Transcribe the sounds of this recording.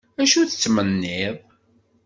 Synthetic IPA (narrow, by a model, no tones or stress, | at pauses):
æʃuθət͡sːmənːɪðˤ